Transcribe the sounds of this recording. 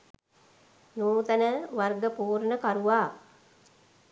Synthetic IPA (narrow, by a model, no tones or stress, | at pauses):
nuːt̪ənəʋarɡəpuːɾnəkaɾuʋaː